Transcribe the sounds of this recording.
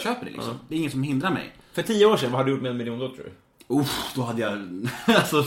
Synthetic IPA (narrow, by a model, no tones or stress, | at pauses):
ɕøːpəɖɛ̰lɪʔksɔ̰md̪ɛɾɪŋːət̪sɔmɦɪnd̪ɾaɾmɛ̰j | fœʈʰiːəoːʂɛnvahad̪ɖɵjʊːʈmɛɛnmɪljuːnd̪ɔt̪ʰːɾɾ̰ | ud̪̥ɔhad̪ːəjaasɔ